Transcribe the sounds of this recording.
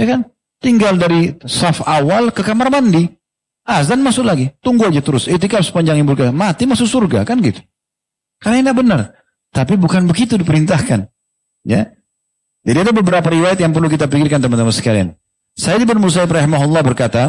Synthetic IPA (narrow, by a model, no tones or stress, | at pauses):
jakan | t̪iŋɡaldaɾisafawalkəkamarmandi | asdanmasʊklaɡit̪uŋɡuad͡ʒat̪əɾʊsit̪ikapsə̥paɲd͡ʒaŋiburɡamat̪imasʊksurɡakanɡit̪u̥ | kaɾaŋŋdaʔbənar | t̪apibukanbəɡit̪udipəɾint̪ahkan | ja̰ | d͡ʒadiadabəbəɾapaɾiwajat̪̚jaŋp̬ərluk̬it̪apikɪrkant̪əmant̪amasə̥kalia̰n | sajadibənmusaɪbrɑɦimaɦulˠːɑhbərkat̪a